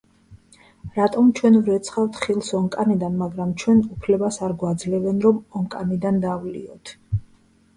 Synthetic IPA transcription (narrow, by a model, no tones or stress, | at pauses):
ɾat̪ʼɔmt͡ʃʰwɛnvɾɛt̪sʰχavt̪ʰχilˠsɔŋkʼanid̪anmaɡɾamt͡ʃʰwɛnupʰlɛbasaɾɡwad̪zlɛvɛnɾɔmɔŋkʼanid̪and̪avlḭɔt̪ʰ